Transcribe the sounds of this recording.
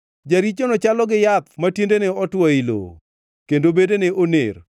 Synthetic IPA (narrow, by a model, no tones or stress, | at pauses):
d͡ʒaɾit͡ʃonɔt͡ʃalɔɡɪjap̚matindeneɔtwɔilo̰ | kendobedeneʔonḛr